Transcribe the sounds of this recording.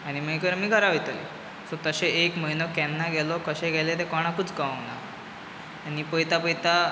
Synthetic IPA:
aɽ̃iməɡekəɾmiːɡʱəɾaʋojt̪əlḛ | sɔt̪əɕeekməinɔkɛnːaɡɛlɔkəɕẽɡʱɛlet̪̬ekɔɽ̃akut͡skaə̃naː | ñipəjt̪apəjt̪a

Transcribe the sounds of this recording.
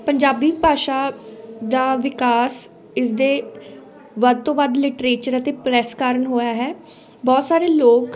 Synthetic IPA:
pəɲd͡ʒaːbiːpaːʃaːd̪aːʋɪkaːs | ɪsd̪eː | ʋəd̪̚t̪õːʋəd̪lɪʈɾeːt͡ʃəɾət̪eːpɾɛːskaːɾənɦoːjaːɦɛː | bɔːt̪saːɾeːloːk

